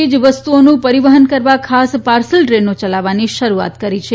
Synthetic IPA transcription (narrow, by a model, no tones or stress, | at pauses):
id͡ʒʋəst̪uonũpəɾiʋəɦənkəɾʋakʰaspaɾsəlʈɾenot͡ʃəlaʋaniʃəɾua̰t̪kəɾit͡ʃʰe